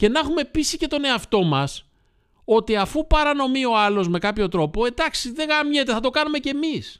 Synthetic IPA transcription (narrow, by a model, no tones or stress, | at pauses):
ce̞nɐxume̞pisice̞t̪o̞ne̞ɐft̪o̞mɐs | o̞t̪iɐfupɐɾɐno̞mio̞ɐlo̞zme̞kɐpço̞t̪ɾo̞po̞e̞d̪ɐksiðe̞ɣɐmɲe̞t̪e̞θɐt̪o̞kɐnume̞ce̞mis